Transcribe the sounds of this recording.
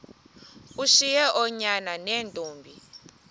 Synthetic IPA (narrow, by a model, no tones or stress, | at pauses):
uʃijɛʔɔɲananentʼuːmbʱi